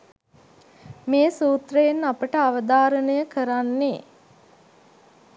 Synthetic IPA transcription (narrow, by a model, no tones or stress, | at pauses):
meːsuːt̪rəjenapəʈəaʋəd̪aːɾənəjəkəɾanːe